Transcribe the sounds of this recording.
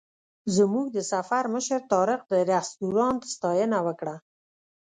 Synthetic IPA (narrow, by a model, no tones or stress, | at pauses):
zəmuɡ̚d̪əsafaɾməʃəɾt̪ɑɾɪqd̪əɾast̪uɾɑnt̪st̪ɑjənawəkɽa